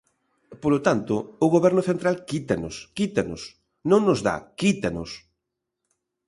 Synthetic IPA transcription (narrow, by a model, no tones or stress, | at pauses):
polot̪ant̪ʊʊɣoβɛɾnʊθent̪ɾalkit̪anʊ̰skit̪anʊ̰s | nõŋnʊzða̰kit̪anʊ̰s